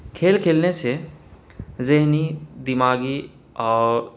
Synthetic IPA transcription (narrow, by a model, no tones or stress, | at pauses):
kʰeːlkʰeːlnese | zeɦnid̪imaːɡi | ɔːɾ